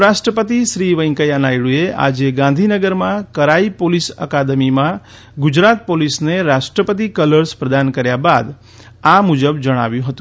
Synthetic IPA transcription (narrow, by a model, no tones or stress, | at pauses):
ɾasʈɾəpət̪iʃɾiʋəjŋkəjanaiɭueʔa̰d͡ʒeɡãnd̪ʱinəɡəɾmãkəɾaipolisə̰kad̪əmimã | ɡud͡ʒɾat̪̚polisneɾasʈɾəpət̪̬ikələɾspɾəd̪ankəɾjabad̪ | amud͡ʒəbd͡ʒəɽ̃a̰ʋjũɦət̪ũ